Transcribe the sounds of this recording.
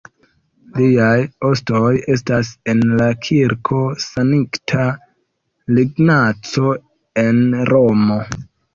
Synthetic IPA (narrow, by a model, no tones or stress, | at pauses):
liajostoje̞stase̞nlakʰiɾkʰo̞saniktʰa | liɡnat͡so̞ | e̞nɾo̞mo̞